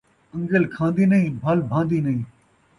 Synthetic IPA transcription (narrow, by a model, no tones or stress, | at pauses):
ə̃ŋɡəlkʰãːnd̪iːnɐĩːbʱaːlbʱãːnd̪iːnɐĩː